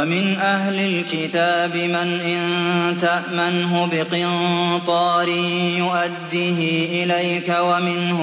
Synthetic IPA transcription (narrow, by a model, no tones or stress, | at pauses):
mɪnʔaɦlɪlkɪt̪aːbɪmanʔɪnt̪aʔmanɦʊbɪqɨnt̪ˤɑːɾɪjʊʔad̪ːiːɦiʔɪlajkawamɪnhʊ